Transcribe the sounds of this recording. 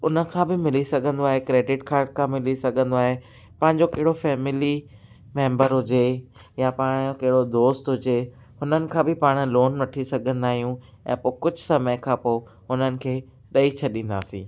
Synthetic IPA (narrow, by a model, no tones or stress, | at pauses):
ʊnə̆kʰãːbɪmɪlisɐɡʱə̃nd̪oaːɦekɾeːɖɪʈkʰaːɾʈ̚kʰãːmɪlisɐɡʱə̃nd̪oaːɦe | pɐ̃ɦɪ̃ɲd͡ʑokɐɦɪɽofɛːmɪli | mẽːmbəɾɦʊd͡ʑe | japaːɽ̃jokɐɦɪɽod̪oːst̪ɦʊd͡ʑe | hʊnənɪ̆kʰãːbɪpaːɽ̃loːnʋɐʈʰisɐɡʱə̃nd̪aːɦijũ | ɛ̰̃ːpoːkʊd͡ʑʱʊsɐməjkʰãːpoː | ʊnənɪ̆kʰeː | ɗɐit͡ɕʰɐɗĩːnd̪a̰ːsḭ̃ː